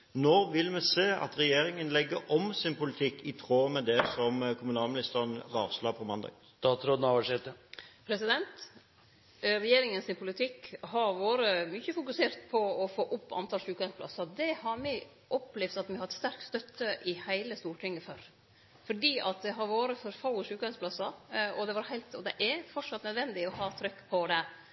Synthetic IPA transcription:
noːʋɪlmɛseːɑ̰t̪ɾɛjeːɾɪŋənlɛɡːəʔɔmsɪnpʰʊlɪt̪ʰɪkːɪt̪ʰʁoːmɛd̪ɛsɔmkʰʊmʉnɑːlmɪnɪst̪əʁənʁɑːslɑpʰɔmɑnd̪ɑ̰ːɡ | t̪ɑːt̪ɾoːd̪n̩ɑʋæʂɛt̪əpʰɾɛsɪd̪ɛnt̪ | ɾɛjeːɾɪŋənsɪnpʰʊlɪt̪ʰɪkhɑɾʋoːɾəmʏçəfʊkʉseːɾt̪pʰɔɔfoːʔʊpːɑ̰nt̪ʰɑlʂʉːkœnspʰlɑ̰sɑd̪ɛhɑɾmɛ | ʔɔplɛʋd̪ɑt̪mɪhɑɾɛt̪st̪æɾkst̪œt̪ʰːəʔɪhæɪləst̪uːʈʰɪŋːəføɾ | fɔɖiːʔɑ̰t̪̚d̪ɛɦɑɾʋoːɾəfɔɾfɑʊəʂʉːkœɪnsplɑsəɾɔd̪ɛʋɑɾhæɪlt̪ɔd̪ɛʔɛɾfɔʂɑt̪nœd̪ʋɛnd̪ɪɔɦɑːt̪ʰɾʏkːpʰɔd̪ɛ

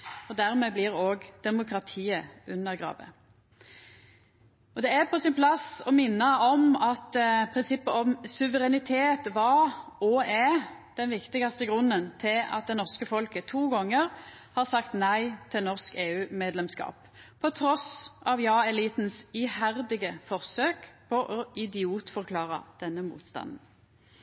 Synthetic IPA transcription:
ɔd̪æʁmɛblɪʁoːɡd̪̥ɛmʊkʰʁɑt̪ʰiːəʉnːəʁɡʁɑ̰ːʋə̰ | ɔd̪ɛæɾpʰɔsɪnpʰlɑsɔmɪnːəɔmɑt̪pʰʁɪnsɪpːəɔmsʉʋəʁɛnɪt̪ʰeːt̪ʋɑɾɔɛd̪̥ɛnʋɪkt̪ɪɡɑst̪əɡʁʉnːənt̪ʰɪlɑ̰t̪̚d̪ɛnɔʁskəfɔlkət̪ʰuːɡɔŋːəʁ | hɑʁsɑkt̪næɪt̪ʰɪlnɔʁskeːʉːmeːd̪lɛmskɑ̰ːp | pʰɔt̪ʰɾɔsʔɑʋjɑːɛliːt̪n̩sihæʁd̪ɪɡəfɔʁsøːkpʰɔʔɔɪd̪ɪuːt̪fɔʁkʰlɑːʁɑ̰d̪̥ɛnːəmṵːt̪st̪ɑ̰nn̩

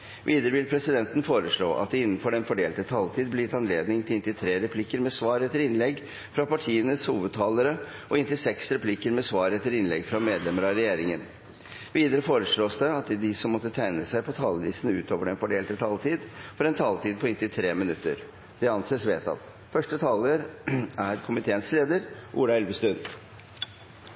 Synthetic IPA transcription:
ʋʔiːd̪əɾəʋɪlpʰɾɛsɪd̪ɛnt̪n̩foːɾəʂɭo̰ːʔɑ̰t̪̚d̪ɛɪnːnfɔɾɛnfɔɖeːlt̪ət̪ʰɑlt̪ʰiːd̪̚blɛjɪt̪ɑnleːd̪nɪŋt̪ʰɪlɪnt̪ɪt̪ʰɾeːɾɛpʰlɪkːəɾmɛsʋɑːɾɛt̪ːəɾɪnlɛɡ | fɾɑpɑʈʰiːənəshuːʋəd̪̚t̪ʰɑːləɾəʔɔɪnt̪ɪsɛksɾɛpʰlɪkəɾmɛsʋɑːɾɛt̪ːəɾɪnlɛ̰ɡfɾɑmeːd̪lɛməɾɑɾɛjeːɾɪŋən | ʋiːd̪əɾəfoːɾəʂɭoːsd̪ɛɑt̪d̪ɪsɔmːɔt̪ːət̪ʰæɪnəsæɪpʰɔt̪ʰɑːləʋiːsənʉ̰ːt̪ʰoːʋəɖɛnfɔɖeːlt̪ət̪ʰɑːlt̪iːd̪fɔɾɛnt̪ʰɑːlt̪iːd̪̚pʰɔɪnt̪ɪt̪ʰɾeːmɪnʉt̪ːə̰ɾ | d̪̥ɛɑnseːsʋḛːt̪ɑ̰t̪ | fœʂʈət̪ʰɑːləɾæɾkʰʊmɪt̪ʰeːənsleːd̪əɾʔṵːɽɑɛlʋəst̪ʉn

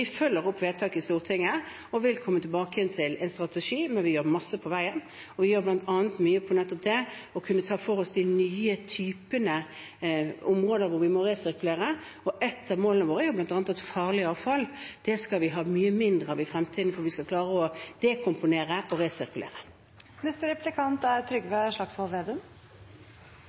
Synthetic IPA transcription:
ɪfœlːəɾɔpːʋeːt̪ʰɑːkɪst̪uːʁt̪ʰɪŋːə | ɔʋɪlkʰɔmːət̪ʰɪlbɑːkəhɛnt̪ʰɪlɛnst̪ʁɑt̪ɛʂiːmɛnʋɪjøːʁmɑsːəpʰɔʋæɪən | ɔʋɪjøːɾblɑnt̪ʰɑːnət̪myːəpʰɔnɛt̪ːɔp̚d̪ɛɔkʰʉnːət̪ʰɑːfɔʁɔsd̪ɪnyːət̪ʰyːpənə | ʊmʁoːd̪əɾʋʊɾʋɪmɔɾesɪɾkʉleːɾə | ɔʔɛt̪ʰːɑmoːlənəʋoːɾəjʉːblɑnt̪ɑːnət̪ɛt̪fɑːʁlɪɑːʋfɑld̪̥ɛskɑlʋɪɦɑːmyːəmɪnd̪ʁəɑʋɪfɾɛmt̪ʰiːd̪n̩fɔɾʋɪskɑkʰlɑːʁəɔd̪̥ekʰʊmpʊneːɾəʔɔɾesɪɾkʉlḛːɾə | nɛst̪əɾɛplɪkʰɑnt̪æɾt̪ʰɾʏɡʋɛʂɭɑksɔlʋeːd̪ɛm

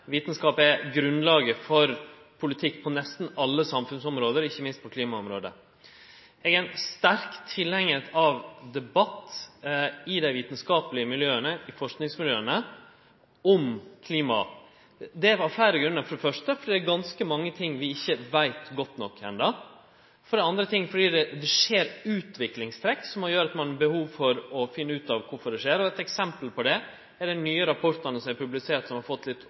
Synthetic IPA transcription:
ʋiːt̪ən̩skɑːpɛɡɾʉnlɑːɡəfɔɾ | pʰʊlɪt̪ʰɪkːpʰɔnɛst̪n̩ɑlːəsɑmfʉnsɔmɾoːd̪əɾɪçːəmɪnst̪̚pʰɔkʰliːmɑʊmɾoːd̪ə̰ | ɛɡæɪnst̪æɾkt̪ʰːɪlɛŋːəɛt̪ɑʋd̪ɛbɑt̪ː | ɪd̪æɪʋiːt̪n̩skɑːpəlɪəmɪljøːənəɪfɔʂknɪŋsmɪljøːənə | ɔmkʰliːmɑ̰ | d̪ɛɑflæɪɾəɡɾʉnəɾfɔɖɛfœʂʈəfɔdiːd̪æɾɡɑnskəmɑŋːət̪ʰɪŋːʋɪɪçːəʋæɪt̪ɡɔt̪ːnɔkʰːɛ̰nd̪ɑ | fɔɖɛɑnd̪ɾət̪ʰɪŋːfɔɖiːd̪ɛd̪ɛʂeːɾʉːt̪ʋɪklɪŋst̪ʰɾɛkːsɔmɑjøːɾɑt̪mɑnbəhuːʋfɔɾɔfɪnːəʉːt̪ɑʋkʰʊɾfɔɖɛʂeːɾɔɛt̪ɛksɛmpəlpɔd̪ɛ | æɖɛnnyːəɾɑpʰɔɾʈ̪ənəsɔmæɾpʰʉblɪseːʈ̪sɔmhɑɾfɔt̪ːlɪt̪ː

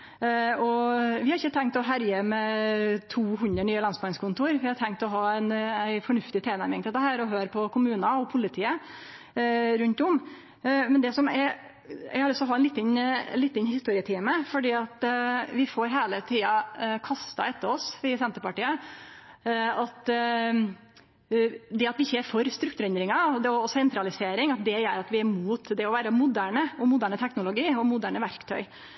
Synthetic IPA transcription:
ɔʋɪhɑɾɪçːət̪ʰɛŋkt̪ɔɦæɾjəmɛt̪ʰuːhʉnd̪ɾəɳyːəlɑnsbɑŋskʰʊnt̪uːɾʋɪhɑʈ̪ʰɛŋt̪ɔɦɑːæɪnæɪfɔɳʉft̪ɪt̪ʰeːnæɾmɪŋt̪ɛd̪əhæːɾɔɦøːɾpʰɔkʰʊmʉːnɑɔpʰʊlɪt̪ʰiːə | ɾʉnt̪ʊm | mɛnd̪ɛsɔmɛ | æ̰ɑlsɔɦɑːænɪt̪ːən̰lɪt̪ːɪnhɪst̪uːɾɪət̪ʰiːməfɔɖiːɑt̪ʋɪfoːɾɦeːlət̪ʰiːɑkʰɑst̪ɑ̰ɛt̪ːəɾɔsʋɪsɛnt̪əɾpɑʈiːə | ɑt̪ | d̪ɛɑt̪ʋɪɪçːəɛɾfɔɾst̪ɾʉkt̪ʉɾɛnd̪ɾɪŋɑd̪ɛɔɔsɛnt̪ɾɑlɪseːɾɪŋɑt̪̚d̪ɛjœɾɑt̪ʋɪæɾmuːt̪d̪ɛɔʋæːɾəmʊd̪æːɳəɔmʊd̪æːɳət̪ʰɛknʊlʊɡiːɔmʊd̪æːɳəʋæɾkt̪ʰœ̰ʏ

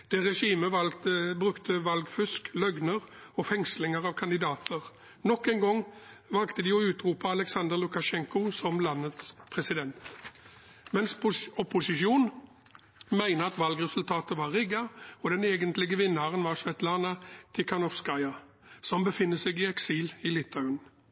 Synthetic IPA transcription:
d̪̥ɛʁɛʂiːməɑbʁʉkt̪əʋɑlɡfʏsklœɡnəʁɔfɛŋslɪŋəʁɑʋkʰɑnd̪ɪd̪ɑːt̪ʰəʁ | nɔkːɛɪŋɡɔŋ | ʋɑlkt̪əd̪ɪɔʉːt̪ɾuːpɑɑlɛksɑnd̪əʁlʊkɑʂɛŋkʊsɔmlɑnːət̪spʰʁɛsɪd̪ɛnt̪ | mɛnsɔpːʊsɪʃuːn | mæɪnəɑt̪ʋɑlɡʁɛsʉlt̪ʰɑːt̪əʋɑʁʁɪɡɑɔd̪ɛneːɡənt̪lɪɡəʋɪnːɑʁənʋɑʁʂʋɛt̪lɑːnɑt̪ʰɪkʰɑnɔfskɑɪɑ | sɔmbəfɪnːəsɛɡɪɛksiːlɪlɪt̪ʰːɑʉn

